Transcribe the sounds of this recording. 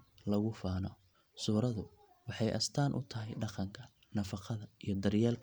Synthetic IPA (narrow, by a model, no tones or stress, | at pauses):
lɐɣʊfaːnɔ | suːɾɐðʊ | wɑħɑjʔɐ̰st̪ʰaːnʔʊ̰t̪ʰɐɦɛjɖɑqɑŋkʰɐ | nɐfɑqɑðɐijɞd̪ɐrjaːlkʰ